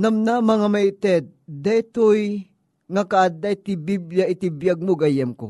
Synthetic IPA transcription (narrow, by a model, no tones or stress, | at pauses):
nɐmnamɐŋamɐɪt̪ɛt̪̚d̪ajt̪oj | ŋakaʔad̪ajt̪ɪbiblaʔɪt̪ɪbjaɡ̚moɡajɐmko̰